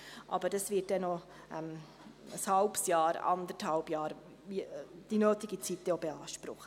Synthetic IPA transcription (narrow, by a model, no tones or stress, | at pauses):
ʔɑ̰bəɾd̥ɑsvɪːt̚d̥ɛno | ʔɛm | əshɑlpsjɑːɾɑ̰nd̪əthɑlbjɑːɾ | id̥inøːt̪ɪɡit͡sit̪ːəjobeɑːʃpɾʊ̰χə